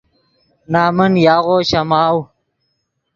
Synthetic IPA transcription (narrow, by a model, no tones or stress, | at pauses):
naːmənjaːɣoːɕɐmaːw